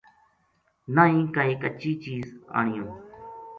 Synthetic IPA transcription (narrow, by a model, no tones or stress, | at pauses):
naːĩːkaiːkət͡ʃiːt͡ʃiːza̰ːɳɪjõː